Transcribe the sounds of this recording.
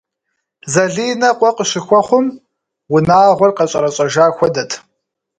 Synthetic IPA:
zɐɮiːnɐqʷʼɔqəʃɪxʷɔχʷʊm | wʊnaːʁʷɔrqɐɕʼɐɾɐɕʼɐʒaːxʷɔdɐtʰ

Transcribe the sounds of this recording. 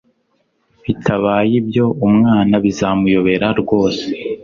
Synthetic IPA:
βitʰaβaːjibjo̞umŋaːnaβizamujo̞βe̞ɾaɾɡwo̞ːse

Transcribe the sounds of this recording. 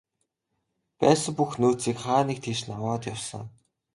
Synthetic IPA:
pæːsə̆ŋpuxnuːt͡siːkχaːniːk̚t̪ʰeʃnawaːt̪jawsə̰̆ŋ

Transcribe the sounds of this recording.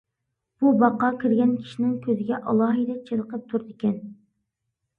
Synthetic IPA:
b̥ubɑqɑkʲʰiɾɡʲɛnkʲʰi̥ʃinɪŋkʲʰøzɪɡʲɛʔɑlˠɑːɦid̪ɛt͡ʃʰeləqʰəp̚t̪ʰuɾd̪ɪkʲʰɛn

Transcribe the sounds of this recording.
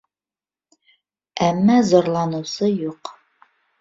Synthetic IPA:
æmːæzɒɾlˠɑnɤ̆sɤjuq

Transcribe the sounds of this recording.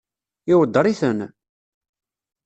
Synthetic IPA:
ɪwəd̪ˤːəɾˤiθən

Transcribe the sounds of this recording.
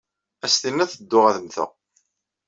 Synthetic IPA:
æst̪inːæθəd̪ːʊʁæðəmθə̰

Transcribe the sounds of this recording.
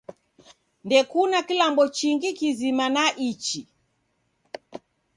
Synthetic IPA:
ndɛkunakilambɔt͡ʃiŋɡikizimanaʔit͡ʃi

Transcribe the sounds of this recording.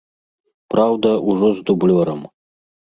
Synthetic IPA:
prawd̪ɐʔuʐɔzd̪ublʲɔɾɐ̰m

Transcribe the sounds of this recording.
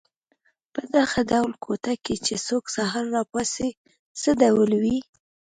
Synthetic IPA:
pəd̪aɣad̪awlkʰot̪aket͡ʃesoksaɦɑɾːɑpɑse | səd̪awəlwi

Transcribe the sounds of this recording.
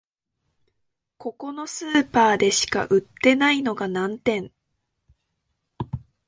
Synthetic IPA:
ko̞ko̞no̞sɨːpaːd̪e̞ɕi̥ka̰ʔɯ̟t̪ːe̞naino̞ɡanãnt̪ẽ̞ŋ

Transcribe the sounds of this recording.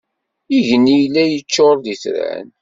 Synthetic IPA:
iʝənːijlːæjət͡ʃːoɾˤd̪iθɾæ̰n

